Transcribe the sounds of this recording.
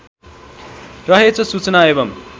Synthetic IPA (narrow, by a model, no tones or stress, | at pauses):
rʌɦet͡sʰʌsut͡sʌnaebʌm